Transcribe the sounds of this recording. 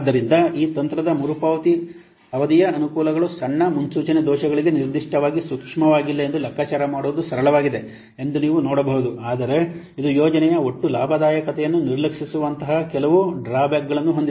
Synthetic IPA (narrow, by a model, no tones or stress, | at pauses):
d̪ːɐɾind̪ɐiːt̪ɐnt̪ɾɐd̪ɐmuɾupɐːʋɐt̪i | ɐʋɐd̪ijɐːnukuːlɐɡɐɭusɐɳːɐmunsuːt͡ʃɐned̪ɔːʃɐɡɐɭiɡe̞niɾd̪iʂʈɐʋaːɡisukʂmɐʋaːɡilːɐend̪ulɐkʰːaːt͡ʃaːɾɐmaːɽoːd̪usɐɾɐɭɐʋaːɡid̪e̞ | e̞nd̪uniːʋunɔːɽɐbɐɦud̪uaːd̪ɐɾe̞ | id̪ujoːd͡ʒɐnɛjɐo̞ʈːulaːbʱɐd̪aːjɐkɐt̪ɛjɐnːuniɾlɐkʂisuʋɐnt̪ɐɦɐkɛlɐʋuɖɾaːbjaːkɡɐɭɐnːuɦo̞nd̪i